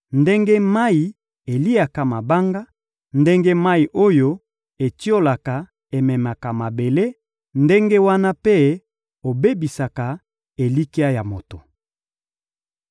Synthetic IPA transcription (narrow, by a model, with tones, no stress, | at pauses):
nde˦ŋɡe˦ma˦i˨ | e˨li˦a˨ka˨ma˨ba˦ŋɡa˦ | nde˦ŋɡe˦ma˦i˨ʔo˦jo˦ | e˨ti˦o˦la˨ka˨ | e˨mɛ˨ma˨ka˨ma˨be˨le˦ | nde˦ŋɡe˦wa˦na˦pe˦ | o˨be˦bi˨sa˨ka˨ | e˨li˦ki˦a˦ja˨mo˨to˨